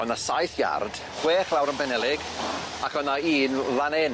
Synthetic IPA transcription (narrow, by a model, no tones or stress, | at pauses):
ɔnasajθja̰rd̥ | χweːχlˠawɾənbɛnɛlˠɪɡ | akʰɔnaiːnvanen